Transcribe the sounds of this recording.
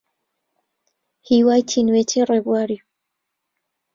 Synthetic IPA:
hiwaːjtʰinwetʰerebwaːɾi

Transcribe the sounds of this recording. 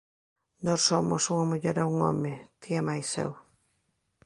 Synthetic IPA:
nossomo̰suŋamuʎeɾauŋo̰met̪ʰiamajsḛw

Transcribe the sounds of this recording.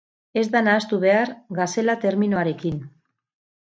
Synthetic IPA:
e̞zd̪anaːst̪uβ̞e̞aɾɣase̞lat̪e̞ɾmino̞aɾe̞kin

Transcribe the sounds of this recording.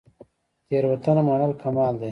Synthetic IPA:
t̪eːɾwɐt̪ɐnɐmɐɳɐlkʰɐmaːld̪eː

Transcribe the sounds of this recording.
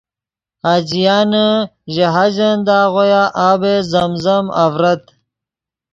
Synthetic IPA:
haːd͡ʑijaːnəʑeɦad͡ʑɐnd̪aːʁojaʔaːbezɐmzɐmɐ̰vɾɐt̪

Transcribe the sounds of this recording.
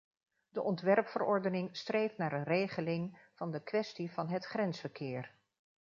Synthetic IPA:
dəʔɔntʋɛrpfərɔɹdənɪŋstrejftnaːɾənrejχəlɪŋv̥ɑndəkʋɛstivɑnɦətχrɛnsfəɹkɪːɹ

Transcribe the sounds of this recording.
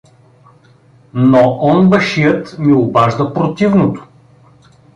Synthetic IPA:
noʔɔnbəʃijət̪miobaʒd̪əpɾot̪ivnot̪o̥

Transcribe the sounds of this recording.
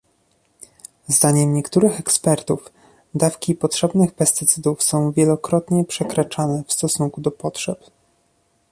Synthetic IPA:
zd̪aɲɛmɲɛkt̪uɾɘxɛkspɛɾt̪uf | d̪afkʲipɔtʂɛbnɘxpɛst̪ɘt̪sɘd̪ufsɔ̃w̃vʲjɛlɔkɾɔt̪ɲɛpʂɛkɾat͡ʂanɛfst̪ɔsuŋkud̪ɔpɔtʂɛp

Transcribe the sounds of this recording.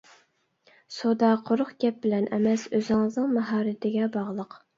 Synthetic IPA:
sod̪ɑqʰoɾʊχɡʲɛp̚bɪlɛnʔɛmɛsøzɪŋəznɨŋmɑɦɑːɾɪt̪ʰɪɡʲɛbɑʁlˠəq

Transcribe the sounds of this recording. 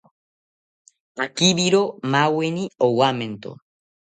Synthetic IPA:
akiβiɾomaweniowament̪o̰

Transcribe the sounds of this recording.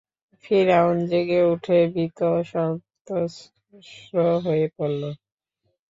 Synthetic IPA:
fʰiɾɛmond͡ʑeɡeuʈʰebit̪oʃɔt̪o | ʃɾoɦoepolːo

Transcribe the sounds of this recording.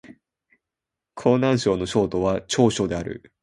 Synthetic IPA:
kʰo̞ːnãɰ̃ɕo̞ːno̞ɕo̞ːt̪o̞βat͡ɕo̞ːɕo̞d̪e̞aɾɯ̰

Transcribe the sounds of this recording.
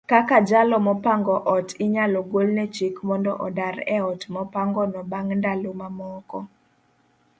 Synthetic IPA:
kakad͡ʒalɔmɔpaŋɡɔʔɔtɪɲalɔɡolnɛt͡ʃikmɔndɔ̰ʔɔdaɾɛɔtmɔpaŋɡɔnɔbaŋndalomamɔkɔ

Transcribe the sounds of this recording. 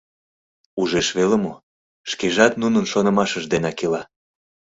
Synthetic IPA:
uʒeʃβelemo | ʃkeʒɑt̪̚nunənʃonə̆mɑʃəʒd̪enɑkelɑ

